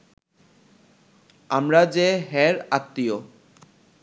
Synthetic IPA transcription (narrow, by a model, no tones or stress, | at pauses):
amɾad͡ʑeɦɛɾat̪ːio